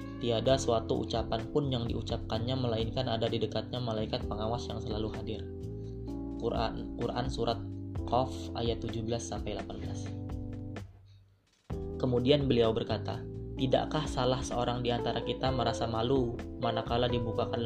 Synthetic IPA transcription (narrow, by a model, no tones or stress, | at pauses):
t̪iadasuat̪uʔṵt͡ʃapanpʊnjaŋdiut͡ʃap̚kanɲaməlainkanadadidəkat̪̚ɲamalaikat̪̚pəŋawasjaŋsəlaluhadɪr | kuɾʔa̰nsuɾʔat̪̚kɔfa̰jat̪ːud͡ʒubəlasːampajlapanbəlas | kəmudianbəliawbərkat̪a̰t̪ida̰ʔkahsalahsəoɾaŋdiant̪aɾakit̪aməɾasamalumanakaladibukakan